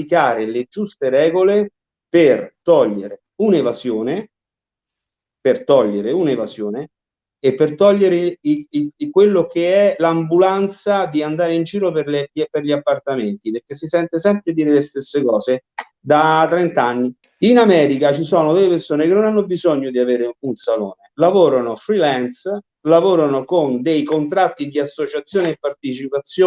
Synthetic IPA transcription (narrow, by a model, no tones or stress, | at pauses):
ikaːɾeled͡ʒust̪eɾɛːɡole | pert̪ɔʎːeɾe | unevazjoːne | pert̪ɔʎːeɾeunevazjoːne | epːert̪ɔʎːeɾeikwelːokeɛlambulant̪sad̪iand̪aːɾeind͡ʒiːɾoperleperʎiapːart̪ament̪iperk̟ːesːisɛnt̪esɛmpɾed̪iːɾelest̪esːekɔːse | d̪at̪ːɾɛnt̪aanːi | inamɛːɾikat͡ʃisɔːnod̪ejpersoːnekenːonanːobizoɲːod̪iaveːɾeunsalo̰ːnelavoːɾanofɾilɛns | lavoːɾanokond̪ejkont̪ɾat̪ːid̪iasːot͡ʃat̪sːjoːneepːart̪et͡ʃipat̪sjoː